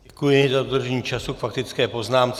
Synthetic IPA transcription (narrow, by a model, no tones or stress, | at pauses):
ɛkujɪzadod̪r̩ʒɛɲiːt͡ʃasukfakt̪ɪt͡skɛːpo̞znaːmt͡s